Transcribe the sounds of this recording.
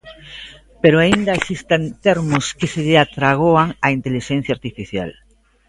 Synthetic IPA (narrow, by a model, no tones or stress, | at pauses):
peɾoaind̪aesist̪ant̪eɾmʊskɪseʎeat̪ɾaɣ̞oaŋaint̪eliʃɛn̟θjaɾt̪ifiθja̰l